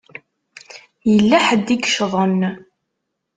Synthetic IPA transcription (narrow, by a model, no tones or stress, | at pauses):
jəlːæħəd̪ːiɡəʃðˤən